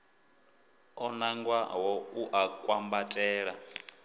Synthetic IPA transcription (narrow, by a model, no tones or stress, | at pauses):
ɔnaŋɡwa̰ɦɔuʔakʼwambatʼɛːɺa